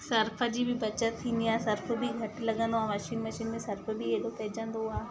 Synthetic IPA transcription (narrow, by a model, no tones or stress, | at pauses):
sɐɾfʰəd͡ʑibʱɪbɐt͡ɕət̪ʰːĩːnd̪iaːsɐɾf̆ʰbʱiɡʱɐʈlɐɠə̃nd̪oaːmɐʃiːnmɐʃiːnmẽsɐɾfbʱieɗokɐɦɪd͡ʑə̃nd̪oɦuaː